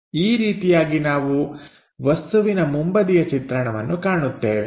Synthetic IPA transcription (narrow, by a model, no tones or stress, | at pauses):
iːɾiːt̪ijaːɡinaːʋu | ʋɐst̪uʋinɐmumbɐd̪ijɐt͡ʃit̪ɾɐɳɐʋɐnːukaːɳut̪ːḛːʋe